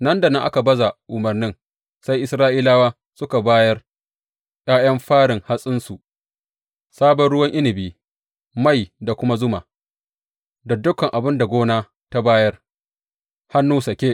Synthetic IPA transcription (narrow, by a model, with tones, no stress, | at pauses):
nɐ˦nda˨nɪ˦ŋʔa˦ka˨bɐ˦za˨ʔʊ˨mɐ˨rnɪ˦ŋ | sa˦jʔɪ˦sɾaː˦ʔiː˦laː˦waː˦ | sʊ˦ka˨baː˦jɐ˦r | j̰ʼaː˦jɐ˦mɸaː˦ɽɪ˨ŋha˦sʼɪ˦nsu˨ʔ | saː˦bɐ˨nɽʊ˦wɐ˦ŋʔɪ˦nɪ˨biː˨ | ma˦˨jda˨kʷʊ˦ma˦zʊ˦ma˨ | da˨dʊ˦kɐ˨ŋʔa˨bɪ˦nda˨ɡʷoː˦naː˦ | ta˦baː˦jɐ˦r | ha˦nːuː˦sɐ˨kʲeː˦